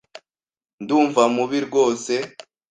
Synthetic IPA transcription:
nduːɱvamuβiɾɡo̞ːse̞

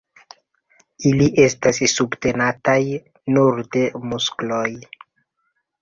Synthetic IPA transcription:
iliʔe̞stassubte̞nataj | nuɾde̞muskloj

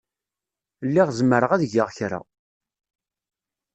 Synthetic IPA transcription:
lːiʁzəmːəɾəʁæðʝəʁçɾa̰

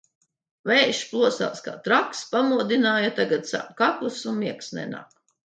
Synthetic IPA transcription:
vɛjʃplˠuɔsa̰ːska̰ːt̪ɾakspamuɔd̪inaːjat̪aɡat̪sa̰kaklˠusunmiɛksnɛ̰na̰ːk

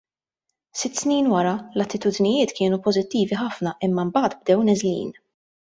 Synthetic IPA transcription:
sɪt̪ːsniːnwɐɾɐlɐt̪ːɪt̪uːd̪nɪjɪːt̪kɪːnupɔzɪt̪ːiːviħɐfnɐʔɪmːɐmbɐːt̪b̚d̪ɛwnɛzlḭːn

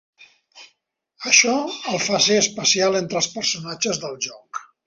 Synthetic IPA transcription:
əʃɔəlˠfaseəspəsialˠent̪ɾəlˠspəɾsunad͡ʒəzðəlˠʒɔk

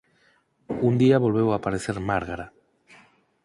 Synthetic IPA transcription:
und̪iaβo̞lβe̞wapaɾe̞se̞ɾmaɾɣaɾa

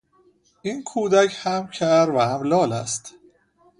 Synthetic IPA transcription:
ʔiːnkʰuːd̪æcʰhæmcʰæɾvæhæmlɒːlæst̪

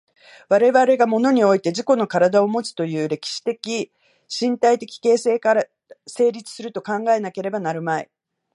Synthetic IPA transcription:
βaɾe̞βaɾe̞ɡamo̞no̞ɲ̟io̞it̪e̞ʑiko̞no̞kaɾad̪ao̞mo̞t͡sɨ̥t̪o̞jɯ̟ːɾe̞kʲi̥ɕi̥t̪e̞kʲi | ɕĩnt̪ait̪e̞kʲi̥ke̞ːsekaɾ | se̞ːɾʲit͡sɨ̥sɨɾɯ̟t̪o̞kãŋɡae̞nake̞ɾe̞banaɾɯ̟maḭ

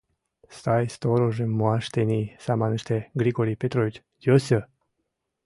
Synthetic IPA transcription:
st̪ajst̪oɾoʒemːoaʃt̪enisamanəʃt̪eɡɾiɡoɾipet̪ɾovit͡ʃ | d̪osʲə

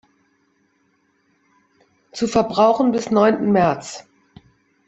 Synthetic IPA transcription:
t͡sufɛɐbʁaʊxn̩bɪsnɔʏntn̩mɛɐt͡s

